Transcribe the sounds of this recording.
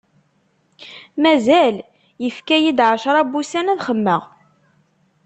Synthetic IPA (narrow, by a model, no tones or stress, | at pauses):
mæzæl | jəfkæjid̪ʕəʃɾˤɑbusænæðχəmːəʁ